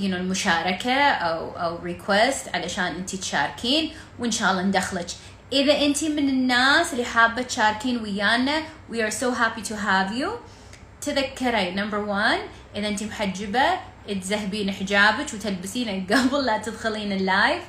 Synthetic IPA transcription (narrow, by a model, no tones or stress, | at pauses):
jɪnolmʊʃaːɾˤɑkaʔawʔa̰wɾɪkʰwɛst̪ʕalaʃaːnʔɪnt̪it̪ʃa̰ːɾˤkʰiːn | wɪnʃaːʔɑlˤːɑnd̪axlat͡ʃ | ʔɪðaʔɪnt̪imɪnɪnːaːsɪlːiħaːbːat̪ʃaːɾˤkiːnwɪjːaːnːawiaɹsoːɦaːpit̪ʰuɦaːvju | t̪ɪðakːɑɾˤanɐmbəɾwan | ʔɪðaʔɪnt̪imħad͡ʒːɪba | ʔt̪zahbiːnɪħd͡ʒaːbat͡ʃwt̪ɪlbɪsiːnalɡabɪlːat̪ɪd̪xɪliːnɪlːaːjf